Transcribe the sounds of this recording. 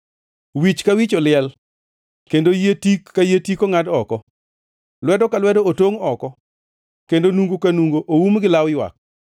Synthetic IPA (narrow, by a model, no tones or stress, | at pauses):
wit͡ʃkawit͡ʃɔlɪɛl | kendojetikːajetikoŋadɔkɔ | lwɛdɔkalwɛdɔotoŋɔkɔ | kendonuŋɡokanuŋɡoʔowumɡɪlawjwa̰k̚